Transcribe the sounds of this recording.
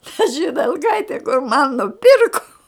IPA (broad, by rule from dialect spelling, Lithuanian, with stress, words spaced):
tɐ ʒʲɪdʲɛlˠˈkɐɪtʲɛ kʊr mɐn nʊˈpʲɪrkoː